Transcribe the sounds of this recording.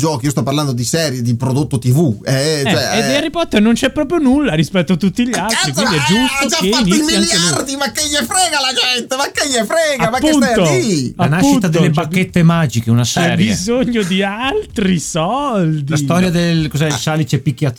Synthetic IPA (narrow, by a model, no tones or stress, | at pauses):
d͡ʒɔːkiost̪ɔpːaɾland̪od̪isɛːɾjed̪ipɾod̪ot̪ːot̪ivuɛt͡ʃoɛeearːipɔt̪ːernont͡ʃɛpːɾɔːp̬ɾjonulːaɾispɛt̪ːoat̪ːut̪ːiʎalt̪ɾikwind̪iɛd͡ʒust̪od͡ʒaefaitnioismialŋieard̪imakːeʎːefɾɛːɡalad͡ʒɛnt̪emakːeʎːefɾɛːɡamakpːeusnt̪oiaanaʃpuʃint̪ad̪elːebakːet̪ːemaːd͡ʒikeunasɛɾjbzoɲːod̪ialt̪ɾisɔld̪iast̪ɔɾjad̪elkozɛlsalit͡ʃɛpːikːjat̪